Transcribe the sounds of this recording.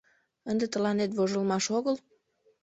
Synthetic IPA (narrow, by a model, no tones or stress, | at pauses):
ənd̪et̪əlɑnet̪voʒəlmɑʃoɣəl